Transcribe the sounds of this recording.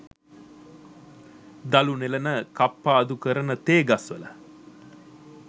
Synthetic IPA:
d̪alunelənəkapːaːd̪ukəɾənət̪eːɡasʋələ

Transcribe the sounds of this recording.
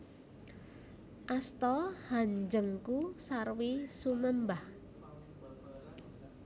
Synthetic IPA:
ʔast̪ɔhaɲd͡ʒəŋkusarwisuməmbah

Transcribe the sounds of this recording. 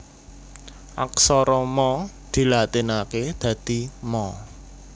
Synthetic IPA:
ʔa̰ksɔɾɔmɔ | d̪̥i̤lat̪inaked̪̥ä̤d̪̥i̤mɔ

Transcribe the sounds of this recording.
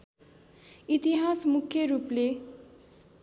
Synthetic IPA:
it̪iɦasmukʰjʌɾuple

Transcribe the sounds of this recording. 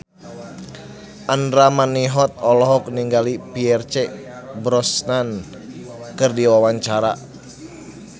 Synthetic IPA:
ʔandɾamaniɦɔt̪̚ɔlɔɦɔk̚niŋɡalipiɛrt͡ʃɛbɾɔsnan | kɨrdiwawaɲt͡ʃaɾa

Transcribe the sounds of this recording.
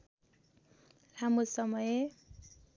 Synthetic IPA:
ramosʌmʌje

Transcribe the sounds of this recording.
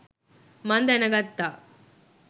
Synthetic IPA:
mɐnd̪ɐnɐɡɐt̪ːa

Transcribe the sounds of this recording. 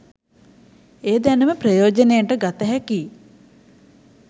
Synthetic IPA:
eːd̪ænuməpɾɐjoːd͡ʒənejaɳʈəɡat̪əɦɛki

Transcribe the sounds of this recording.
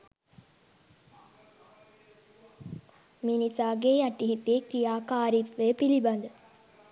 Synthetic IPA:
minisaːɡeːjaʈːiɦit̪ːiekɾijaːkaːɾit̪ʋepilibɐnd̪ə

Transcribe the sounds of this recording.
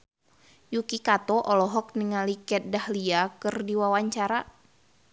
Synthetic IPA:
jukikat̪ɔʔɔlɔɦɔk̚niŋalikɛt̪̚dahliakɨrdiwawaɲt͡ʃaɾa

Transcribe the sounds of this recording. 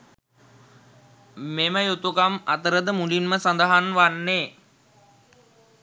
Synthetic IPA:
meməjut̪ukamat̪əɾəd̪əmulinməsand̪aɦanʋanːeː

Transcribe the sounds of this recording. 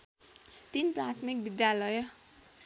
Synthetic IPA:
t̪inprat̪ʰmik̚bid̪jalʌj

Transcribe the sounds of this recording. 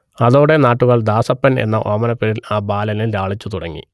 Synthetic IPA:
ɐðo̞ːɽe̞naːʈːuɣɐɭd̪aːsɐpːɐne̞̰nːɐʔoːmɐnɐpːeɾilaːbaːlɐlilɾaːɭit͡ɕːut̪uɽɐŋːḭ

